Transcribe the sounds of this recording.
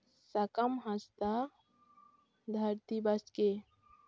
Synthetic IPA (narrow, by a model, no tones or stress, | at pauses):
sɐkɐmɦɐst̪a | d̪ʱɐɾt̪ibɐske